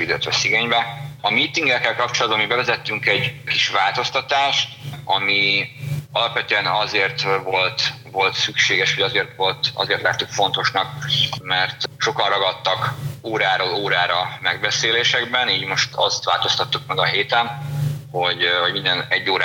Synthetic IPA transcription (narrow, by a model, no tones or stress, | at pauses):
id̪øːt̪ʋɛsiɡeːɲbɛɒmit̪iŋɡɛkːɛlkɒp̚t͡ʃolɒd̪̚bɒmibɛvɛzɛt̪ːyŋkɛɟkiʃʋaːlt̪o̞st̪ɒt̪aːʃt̪ɒmi | ɒlɒpʋɛt̪øɛnɒzeːrt̪vo̞lt̪ | vo̞lt̪sykʃeːɡɛʃhɒɟɒzeːrt̪ʋo̞lt̪ɒ̰zeːrt̪laːt̪ːykfo̞nt̪o̞ʃnɒk̚mɛrt̪ʃo̞kɒnrɒɡɒt̪ːɒkoːɾaːɾoːloːɾaːɾɒmɛɡbɛseːleːʃɛɡbɛniːɟmo̞ʃt̪ʰɒst̪ʋa̰ːlt̪o̞st̪ɒt̪ːuk̚mɛɡɒɦeːt̪ɛnho̞ɟhoɟmind̪ɛnɛɟːoːɾaː